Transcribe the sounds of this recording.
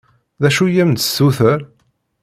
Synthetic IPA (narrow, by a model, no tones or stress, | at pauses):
ðæʃujæmt̪ə̥sːuθəɾ